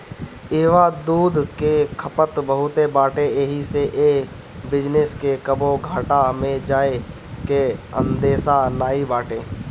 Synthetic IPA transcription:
eːʋad̪uːd̪ʱkekʰəpət̪bəɦʊt̪ebaːʈeeɦiseʔeː | bɪd͡ʒneskekəboɡʱaːʈamẽd͡ʒaːe | keə̰̃nd̪eːsanaːibaːʈeː

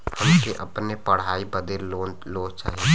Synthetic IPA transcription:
hɐmkeʔɐpnepɐɽ̤aːibɐd̪eːɾo | loːt͡ʃa̰ːɦie

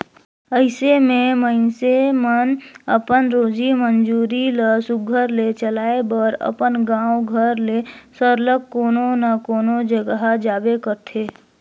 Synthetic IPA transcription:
əɪsemẽməɪnsemənəpənɾoːd͡ʒimənd͡ʒuːɾiləsʊɡʱəɾlet͡ʃəlaːebəɾə̰pənɡãːwɡʱəɾlesəɾləkkːoːnonakoːnod͡ʒəɡɦad͡ʒaːbekəɾt̪ʰeː

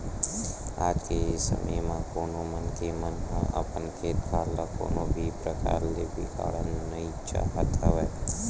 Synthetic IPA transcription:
aːd͡ʒkesə̰mʔəjmãkoːnoːmənkemənɦãʔə̰pənkʰeːt̪kʰaːɾlako̰ːnoːbʱipɾəka̰ːɾlebɪka̰ːɽənːəĩt͡ʃa̰ːɦət̪ɦəʋɛː

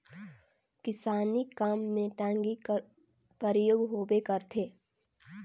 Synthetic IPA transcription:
kɪsaːnikaːmːẽʈãːŋɡi | pəɾjoːɡɦoːbekəɾt̪ʰeː

